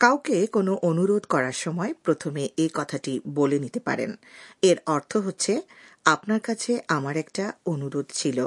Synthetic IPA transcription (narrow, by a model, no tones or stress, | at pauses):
kawkekonoʔonuɾod̪ʱkɔɾaɾʃɔmɔepɾot̪ʰomeʔekɔt̪ʰaʈibolenit̪epa̰ɾḛneɾɔɾt̪ʰoɦotːɕʰeapnaɾkat͡ɕʰeʔamaɾɛkʈaonuɾod̪ʱt͡ɕʰilo